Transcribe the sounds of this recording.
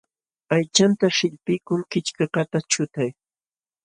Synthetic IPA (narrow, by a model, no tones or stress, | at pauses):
ajt͡ʃant̪aʃɪʎpɪjkʊŋkɪt͡ʃkɑqɑt̪at͡ʃʊt̪aj